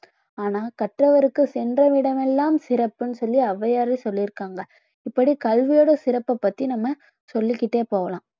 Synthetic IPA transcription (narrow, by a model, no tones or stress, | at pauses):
aːnaːkɐʈrɐʋɐɾɯkːɯsɛndrɐʋɪɽɐmɛlːaːmsɪɾɐpːɯnːɯsɔlːiɐʋɐjaːɾɐsɔlːiɾɯkːaːŋɡɐ | ɪpːɐɽikɐlʋɪjoːɽɐsɪɾɐpːɐpːɐt̪ːinɐmːɐ | sɔlːɪkːɪʈːeːpoːʋɐlãː